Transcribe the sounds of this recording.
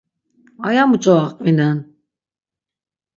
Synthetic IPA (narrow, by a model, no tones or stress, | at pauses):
ajamut͡ʃʼɔaqʼvinan